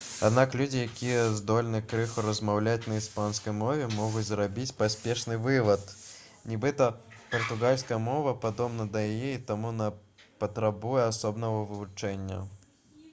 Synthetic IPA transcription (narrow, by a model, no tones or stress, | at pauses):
ad̪naklʲud͡zʲijakʲijɛzd̪ɔlʲnɨkɾɨxuɾɐzmawlʲat͡sʲnɐispanskɐjmɔvʲɛmɔɣut͡sʲzɾabʲit͡sʲpasʲpʲɛʂnɨvɨvɐt̪ | nʲibɨt̪ɐpɐrt̪uɣalʲskɐjɛmɔvɐpad̪ɔbnɐd̪ɐjajɛit̪amunɐ | pɐt̪ɾabujɛasɔbnɐɣɐvɨvut͡ʂɛnʲːɐ̰